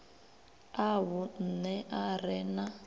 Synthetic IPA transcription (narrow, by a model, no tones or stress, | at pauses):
aβʊn̩nɛʔarɛna